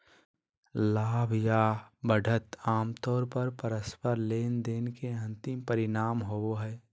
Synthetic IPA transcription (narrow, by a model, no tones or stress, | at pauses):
laːbʱjabəɖʱət̪aːmt̪ɔːɾpəɾpəɾəspəɾleːnd̪eːnkeɐ̃nt̪ɪmpəɾɪnaːmɦooɦɛː